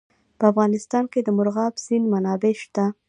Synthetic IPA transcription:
pəafɣɑnɪst̪ɑnked̪əmʊɾɣɑbz̥inmanɑbeʃt̪a

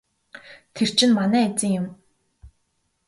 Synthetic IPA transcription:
t̪ʰer̥t͡ɕʰɪ̆nmanæːet͡sɘ̆ŋjʊ̆m

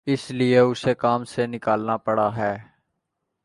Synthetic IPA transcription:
ɪslɪeʊsekaːmsenɪkaːlnapəɽaɦɛː

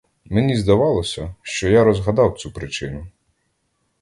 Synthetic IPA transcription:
menʲizd̪ɐʋɑlˠɔsʲɐʃt͡ʃɔjaɾɔzɦɐd̪ɑwt͡sʲupɾɪt͡ʃɪnʊ

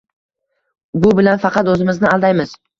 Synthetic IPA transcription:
bʊbɪlanfɑqɑt̪ɵzɪmɪznɪalˠd̪ajmɪz̥

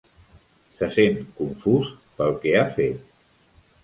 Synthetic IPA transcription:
səsenkuɱfus | pəlˠkɛafet̪̚

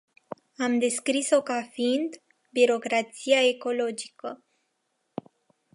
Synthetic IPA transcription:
amd̪e̞skɾiso̞kafind̪ | biɾo̞kɾat̪siae̞ko̞lo̞d͡ʒikə

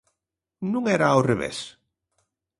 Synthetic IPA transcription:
nuŋeɾaowreβḛs

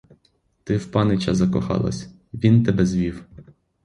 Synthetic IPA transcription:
t̪ɪwpɑnɪt͡ʃɐzɐkɔxɑ̰lˠɐ̰sʲ | ʋʲint̪ɛbɛzʋʲiw

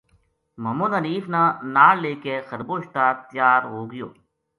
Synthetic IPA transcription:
məmuːd̪ɦəniːfnãːnaːɽleːkeːxəɾboːʃt̪aːt̪jaːɾɦoːɡɪjo̰ː

